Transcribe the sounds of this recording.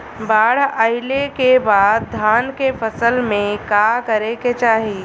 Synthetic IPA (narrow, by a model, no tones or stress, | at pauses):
baːɽ̤aɪlekebaːd̪̚d̪ʱaːnkefəsəlmẽkakəɾeket͡ʃaːɦi